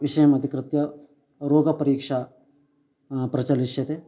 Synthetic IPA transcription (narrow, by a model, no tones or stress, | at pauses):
ʋiʃɐjɐmɐd̪ʱikɾɪt̪jɐ | ɾoːɡɐpɐɾiːkʂa | pɾɐt͡ʃɐliʃjɐt̪e